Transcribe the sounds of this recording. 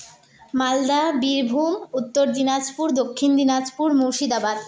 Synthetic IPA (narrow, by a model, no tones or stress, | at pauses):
mald̪abiɾbʱumut̪ːoɾd̪inad͡ʑpuɾd̪okʰːind̪inad͡ʑpuɾmuʃid̪abad̪